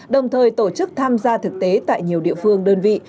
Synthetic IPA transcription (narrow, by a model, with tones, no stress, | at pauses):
ɗə˨˩wŋ͡mt̪ʰəː˨˩jt̪o˧˩t͡ɕɨ˦˥k̚t̪ʰaː˧mzaː˧t̪ʰɨ˨˩k̚t̪e˨˦t̪a̰ː˧˨jɲi˨˩əwɗḭ˧˨əfɨ˧əŋɗəː˧nvḭ˧˨